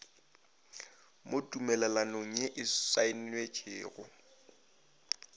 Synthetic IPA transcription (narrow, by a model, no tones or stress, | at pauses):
motʼumɛlalanoŋ̩ɲɛʔɪsain̩wet͡ʃʰɪːɣʊ̰